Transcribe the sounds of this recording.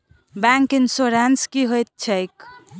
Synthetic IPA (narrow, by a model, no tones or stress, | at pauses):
baŋkinsoɾanskiɦojt̪̚t͡ʃʰəjk